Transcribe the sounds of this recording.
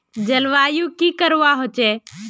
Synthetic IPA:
d͡ʒəlʋaːjũːkiːkəɾuʋaːɦoːt͡ʃeː

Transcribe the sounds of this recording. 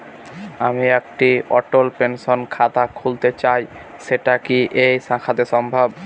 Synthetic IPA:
amiek̚ʈiɔ̰ʈolpenʃonkʰat̪akʰult̪et͡ɕaj | ʃeʈakiʔejsãkʰad̪eʃɔmbʱab

